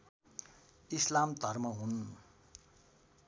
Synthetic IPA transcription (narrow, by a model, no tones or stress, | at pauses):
islamt̪ʌrmʌɦun